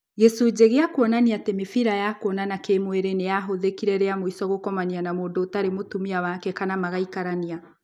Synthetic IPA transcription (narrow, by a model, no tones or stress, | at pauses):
ɣesod͡ʑeɣeakwɔnaniatemefiɾajakoɔnanakemweɾenejaɦoðekiɾɛɾeamoisɔɣokɔmanianamoːndoːtaɾemotumiawakɛkanamaɣaikaɾania